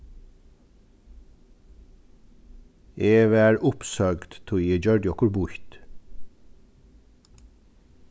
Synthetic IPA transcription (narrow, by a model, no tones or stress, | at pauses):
ʔeːʋæːɹʊpsœɡd̪t̪ʰʊiːd͡ʒœɹɖɪɔkʊɹbʊçt̪